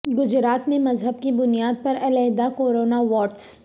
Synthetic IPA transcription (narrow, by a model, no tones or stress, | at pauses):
ɡʊd͡ʒɾaːt̪mẽmɐzɦəb̚kibʊnijaːd̪̚pɐɾɐlɛɦd̪akoːɾoːnaʋɔːʈs